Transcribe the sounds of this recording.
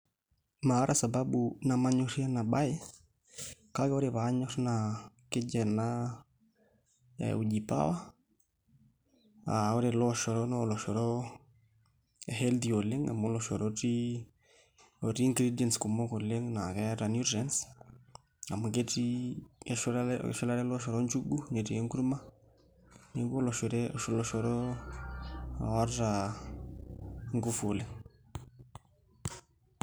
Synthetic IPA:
ma˨˦ɾʔa˦sa˨babuna˨ma˦ɲɔ˦ɾi˦a˦na˨ɓa˦jɛ˦ | kakɔ˦ɾeβa˦ɲɔ˦ɾna | kɪ˦d͡ʒɛ˨na˦ | a̰u˨d͡ʒi˨pa̰˦wa˦ | a̰ɔ˦ɾelɔʃɔ˨ɾɔnɔlɔ˨ʃɔ˨ɾɔ˦ | ɦɛ˦ld̪iɔ˨lɪ˦ŋa̰˨mɔ˦lɔʃɔ˨ɾɔti˦ | o˨ɾi˦i˦ŋɡɾi˦diɛ˨nsku˨mo˦ko˨lɪ˦ŋna˨kɛ˦ɾa˨nu˦tɾɛ˦ns | a˨mu˨ke˦ti˦ʃʃɔ˦la˦ɾɛ˦lɔ˦ʃ̬ɔ˨ɾɔ˦ɲt͡ʃu˦ɡu˦ɲe˨ti˨e˦ŋɡu˦ɾu˦ma˦ | ne˦ɡo˦lɔ˨ʃɾɛlɔ˨ʃɔ˨ɾɔ˦ | a̰˨wa˦ɾta˨ | ŋɡu˦fo˨le˦ŋ

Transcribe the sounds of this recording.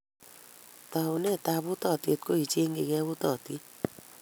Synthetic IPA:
t̪aune˦˨t̪a˧bu˦t̪ɔ˦˨t̪ie˧t̪̚ko˦i˨t͡ʃe˦ŋɡe˨ɡɛ˦bu˦t̪ɔ˨t̪i˦

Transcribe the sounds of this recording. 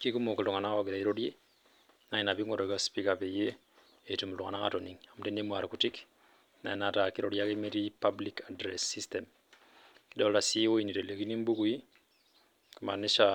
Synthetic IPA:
ki˦ku˦moki˨lu˨ŋa˨na˦ɔɡi˨ɾa˨iɾodje˦ | na˨i˨na˨bi˦ŋɔ˦ɾɔ˨ka˦spika˨peje˦ | e˨tu˨m˨lu˨ŋa̰˨na˦ka˨tɔni˨ŋa˨mte˦ne˦mwa˨ɾkuti˦k | na̰˨i˨nataki˦ɾoɾja˦ke˦meti˦pablikadɾɛsːi˦stɛm | ki˦dɔ˦lla˨si˦o˦i˨ni˨ɾe˨le˨ki˦ni˦mbu˦kui˦ | ku˨ma̰˨ni˦ʃa

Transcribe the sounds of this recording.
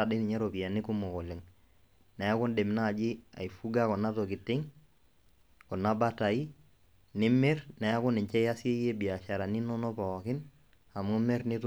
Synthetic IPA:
a˨dɪ˦ni˨ɲa˦ɾɔ˨pi˨ja˨nɪ˦ku˦mo˨kɔ˨lɪ˨ŋ | na˨ja˦kɔ˦nde˨m˨naː˦˨d͡ʒi˦a̰˨i˨fu˦ɡa˦kɔ˨na˦tɔ˨kɪ˨tɪ˦ŋ | kɔ˨na˦ba˦ta˨i˦ | nɪ˦me˦rna˨a˦kɔ˦nɪ˨ɲt͡ʃɛ˦ja˦si˦e˦je˦bi˨a˨ʃa˨ɾa˨ni˦nɔ˦nɔ˦pa˨ɔ˨kɪ˦n | a˨mu˦mɛ˦ɾni˦tu˦

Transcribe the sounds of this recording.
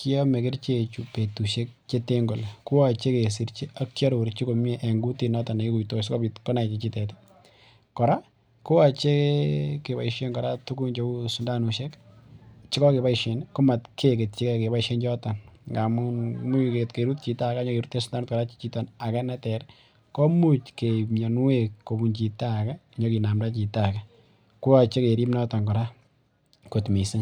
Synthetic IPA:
ki˦ɔ˦me˨kɪ˦ɾt͡ʃet͡ʃu˨pe˨tu˨ʃe˦k̚t͡ʃe˦te˦ŋɡɔ˨lku˦a˨t͡ʃe˦ke˨s̬i˨ɾt͡ʃi˦a˦kt͡ʃa˦ɾu˨ɾt͡ʃi˦ko˨meʔɛ˨ŋɡu˦ti˨nɔ˦ta˨ne˨i˦ku˨jto˨skɔ˦pitkɔ˦na˨t͡ʃi˨t͡ʃi˦tɛ˨ti̥ | kɔ˨ɾa˦ | kʊ˦a˨t͡ʃe˦ke˨ba̰˨iʃe˦nkɔ˨ɾatuku˦nt͡ʃou˦sʊ˨nda˦nu˨ʃɛ˦k | t͡ʃɪ˦kɔ˦ke˨ba˦iʃe˨nkʊ˦ma˨tkʰe˦ke˨tt͡ʃi˦kɛke˨ba˦iʃe˦nt͡ʃɔ˦tɔ˨nŋɡa˨mumu˦ke˨tke˨ɾu˦t̚t͡ʃi˨ta˦ka˦ɲɔ˦ke˨ɾu˦tːe˦sunda˦nu˦tkɔɾa˦t͡ʃt͡ʃi˦tɔ˨na˨kɛ˦na˦tɛ˨ɾ | kɔ˦mu˦t͡ʃkeɲɔ˨n˦wekkːo˨bu˨nt͡ʃi˨taka˦ | ɲɔ˦ki˨na˨mda˦t͡ʃi˨ta˨ka˦ | ku˦wa˨t͡ʃe˦ke˨ɾi˦mna˦tɔ˨ŋkɔ˨ɾa˦ | ku˨tmi˨sɪ˦

